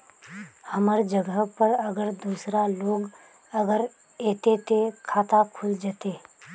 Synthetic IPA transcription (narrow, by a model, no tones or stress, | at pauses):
həməɾd͡ʒəɡəpəɾɐɡəɾd̪uːsɾaloːɡ | ɐɡəɾ | eːt̪et̪ʰekʰaːt̪akʰʊld͡ʒaːt̪eː